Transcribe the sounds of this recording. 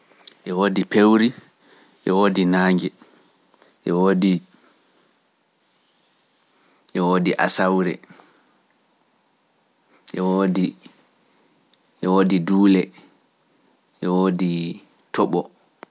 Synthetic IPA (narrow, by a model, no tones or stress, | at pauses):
ʔɛwoːdipewɾi | ʔɛwoːdinaːŋɡɛ | ʔɛwoːdi | ʔɛwoːdiʔa̰sawɾɛ̰ | ʔɛwodi | ʔɛwoːdiduːlɛ | ʔɛwoːdi | tɔɓɔ